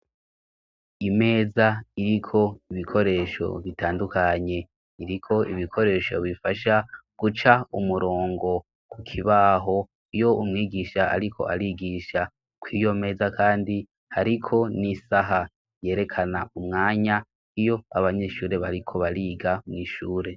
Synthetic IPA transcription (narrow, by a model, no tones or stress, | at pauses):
ime̞ːzaiɾikʰo̞iβikʰo̞ɾe̞ːʃo̞̰βitaːndukaɲe̞ | iɾikʰo̞iβikʰo̞ɾe̞ːʃo̰βifaʃaɡ̥ut͡ʃaumuɾo̞ːŋɡo̞ | kʰukʰiβaɦo̞ | ijo̞umŋiːɡiʃaa̰ɾikʰo̞̰ʔaɾiɡiʃa | kwiːjo̞me̞ːzakaːndi | haɾikʰo̞nisaɦa | je̞ːɾe̞kʰanaumŋaːɲa | ijo̞aβaɲe̞ʃuːɾe̞βaɾikʰo̞βaɾiːɡamŋiːʃuːɾe̞